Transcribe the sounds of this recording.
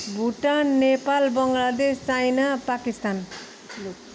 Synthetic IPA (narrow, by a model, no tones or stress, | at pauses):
bʱuʈanːepalbʌŋɡlad̪est͡sajnapakist̪an